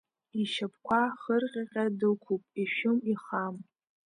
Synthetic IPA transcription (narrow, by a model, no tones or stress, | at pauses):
iʃap̚ʰkʷʰaχərqʲʼaqʲʼadɨkʷʰupʼiʃʊmiχam